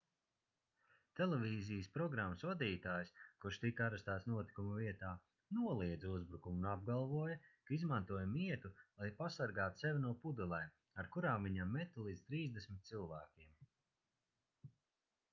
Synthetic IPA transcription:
t̪ɛlˠevʲiːzijəspɾɔɡɾamːəsvad̪iːt̪aːjskuɾʃt̪ikaɾast̪aːt̪snuɔt̪i̥kumuviɛt̪aː | nuɔlˠiɛd̪zuzbɾukumunab̚ɡalˠvuɔjakaizmant̪uɔjamiɛt̪ulˠajpasaɾɡaːt̪u̥sɛvʲinuɔpud̪ulˠaj | aɾkuɾaːmviɲamːɛt̪ulˠiːd̪zt̪ɾiːzd̪esmʲit̪̚silˠvæːkʲiɛm

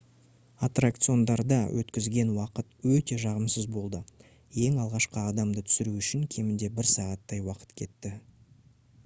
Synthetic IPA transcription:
at̪rak̚t̪sɨo̞nd̪ɑɾd̪ɑwʔɵ̰t̪kʲɪzɡʲe̞nwɑqət̪wɵt̪e̞ʒɑʁəmsəzbo̞lˠd̪ə | je̞ŋɑlˠʁɑʃqəɑd̪ɑmd̪ət̪ʰʏ̥sɪɾuʏʃɪŋkʲʰe̞mɪnd̪e̞bɪɾsɑʁɑt̪ːɑjwɑqə̥t̪kʲʰe̞t̪ːɪ

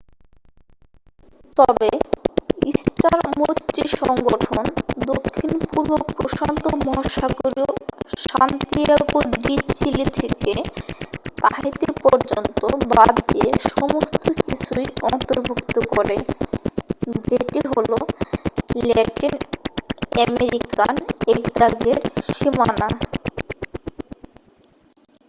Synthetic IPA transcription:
t̪ɔbe | isʈaɾmot̪ːɾiʃɔŋɡoʈʰond̪okʰːinpuɾbok̚pɾoʃant̪omɔɦʃakoɾioʃant̪ieɡoɖiɾt͡ɕilit̪ʰeke | t̪aɦit̪epɔɾd͡ʑont̪obad̪d̪ieʃɔmost̪ʰokit͡ɕʰujɔnt̪oɾbʱukt̪okɔɾe | d͡ʑeʈiɦolo | lɛʈin | ɛmeɾikanekd̪aɡeɾʃimana

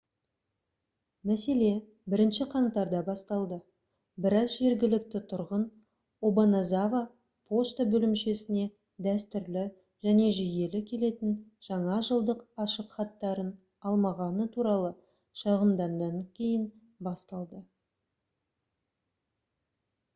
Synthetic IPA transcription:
mæse̞le̞ | bɪɾɪnʃɪqʰɑɴt̪ɑɾd̪ɑbɑst̪ɑlˠd̪ə | bɪɾɑzʒe̞ɾɡʲɪlɪk̚t̪ɪt̪ʰʊɾʁən | obonazava | pʰo̞ʃt̪abɵlɪmʃe̞sɪne̞ | d̪æst̪ʏɾlɪ | ʒ̥æne̞ʒɪje̞lɪkʲʰe̞le̞t̪ɪnʒ̥ɑɴɑʒəlˠd̪əqɑʃəqχɑt̪ːɑɾən | ɑlˠmɑʁɑnət̪ʰuɾɑlˠə | ʃɑʁəmd̪ɑnːɑŋkʲʰe̞jɪn | bɑst̪ɑlˠd̪ə

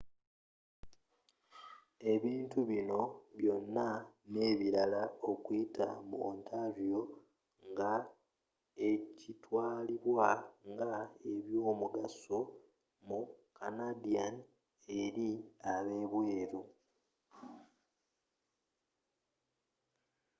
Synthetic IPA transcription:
e̞βiːntuβino̞βjo̞nːane̞ːβiɾalao̞kwita̰muontʰaɾjo̞ | ŋɡa | e̞citwaːliβwaŋɡae̞βjo̞ːmuɡaso | mukanadian | e̞ɾiaβe̞βwe̞ːɾo

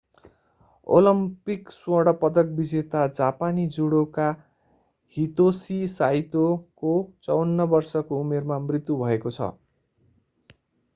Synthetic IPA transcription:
o̰lʌmpikswʌɽʌpʌd̪ʌk̚bid͡zet̪ad͡zapanid͡zuɽoka | hit̪osisajt̪okot͡sʌwnːʌbʌrsʌkoumermamrit̪ːubʱʌekot͡sʰʌ̰

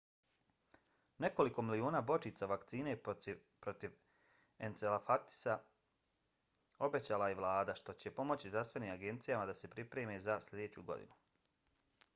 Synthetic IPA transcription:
ne̞ko̞liko̞milioːnaːbo̞t͡ʃit̪saʋakt̪siːne | pɾot̪iʋ | ent̪selafat̪i̥sa | o̞be̞t͡ɕaːlajeʋlˠaːd̪aʃt̪o̞t͡ɕe̞po̞mo̞t͡ɕizɾafst̪ʋe̞niːmaɡe̞nt̪sijamad̪ase̞pɾipɾe̞ːmezaslʲe̞d̪eːt͡ɕṵɡo̞̰d̪ḭnu

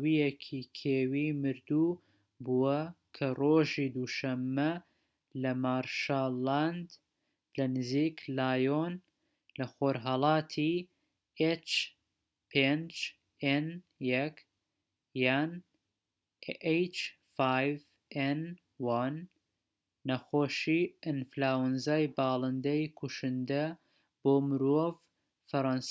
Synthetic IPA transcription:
wijekʰikʰeːwiːmɨɾd̪u | buwɐkʰɐroːʒiːd̪uːʃɐmːɐ | lɐmaːɾʃaːland̪ | lɐnɨziːklaːjon | lɐxoːɾɦɑlˠɑːt̪ʰi | et͡ʃ | pʰend͡ʒ | enjɐk | jaːn | ejt͡ʃ | fajv | en | wanː | ɐxoːʃiʔɨnflaːwənzaːjbɑːlˠɨnd̪ɐjkʰuʃɨnd̪ɐ | b̥oːmɨɾov | fɐɾɑns

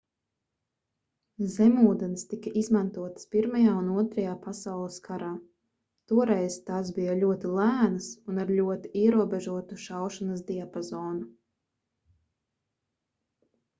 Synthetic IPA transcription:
zɛmuːd̪ɛnst̪ikɐʔizmant̪uɔt̪spiɾmajaːunuɔt̪ɾɐjaːpasawlˠɨskʰaɾaː | t̪uɔɾɛjz̥t̪asbijalʲuɔt̪ilˠæːnɨsunaɾlʲuɔt̪iʔiɛɾuɔbɛʒuɔt̪uʃawʃanasd̪iapɔzɔːnu

